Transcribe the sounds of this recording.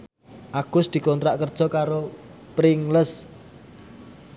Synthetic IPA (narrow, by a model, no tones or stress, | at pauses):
ʔaɡ̥ʊ̤sd̪̥i̤kɔnt̪ɾaʔkərd̥ʒ̥ɔ̤kaɾopɾɪŋləs